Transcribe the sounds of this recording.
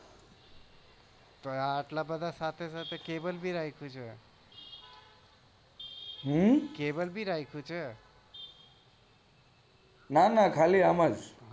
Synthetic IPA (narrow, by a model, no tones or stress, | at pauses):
t̪ɔaʈlabəd̪ʱasat̪ʰesat̪ʰekebəlbʱiɾajkʰut͡ʃʰə | ɦukebəlbʱiɾajkʰut͡ʃʰə | nanakʰaliaməd͡ʒ